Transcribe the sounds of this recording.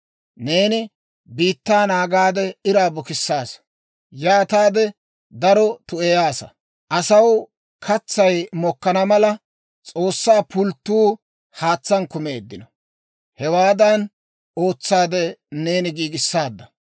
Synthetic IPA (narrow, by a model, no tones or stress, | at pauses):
ne̞ːnɪ | biːt̪ːaːnaːɡaːd̪ɛɪɾaːbɔkɪsːaːs | jaːt̪aːd̪ɛ | d̪ɐɾɔt̪ʊɛjaːsɐ̰ | ʔɐsɐw | kʰɐt͡sːɐjmɔkːɐnɐmɐlɐ | t͡sʼo̞ːsːaːpʊlt̪ːuː | haːt͡sːɐnkʊme̞ːd̪ːɪnɔ | hɛwaːd̪ɐn | o̞ːt͡sːaːd̪ɛne̞ːnɪɡiːɡɪsːaːd̪ːɐ